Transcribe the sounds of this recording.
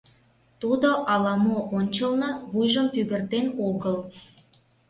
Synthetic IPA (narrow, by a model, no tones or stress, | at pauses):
t̪ud̪oʔɑlɑmoʔonʲt͡ɕəlnɤ̆βujʒəmpyɣərt̪enoɣəl